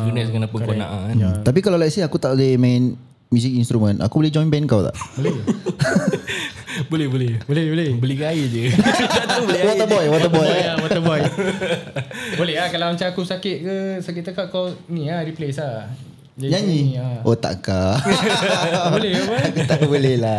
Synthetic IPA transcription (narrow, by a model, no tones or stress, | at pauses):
ɡənɛskanapʊnkona̰ʔat̪ap̬ikalawlaisiakut̪aʔdemãn | mjusik̚inst̪ɾumə̃nʔa̰kubolɛd͡ʒɔjnbɛnkawt̪a̰ʔbolɛ | bolɛhbolɛbolɛhbolɛhbəliɡaiʔd͡ʒəaublwaabɔjwat̪abɔjawaabɔj | bolɛɦlakalawmat͡ʃaakusakɪt̪̚kəsakit̪əkakawnĩaɾiplesa | d͡ʒaɲaɲĩaʔot̪a̰ʔka | bolɛakut̪aʔabolɛla